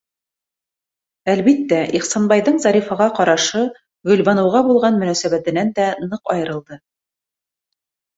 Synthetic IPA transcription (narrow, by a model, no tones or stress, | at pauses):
ælβit̪ːæʔiχsɑnbɑjðɤɴzɑɾifɑʁɑqɑɾɑʃɤ | ʁɵ̆lβɑnɤ̆wʁɑbulˠʁɑnmɵ̆næsæβæt̪ɘ̆nænd̪ænɤqɑjɤ̆ɾɤ̆lˠd̪ɤ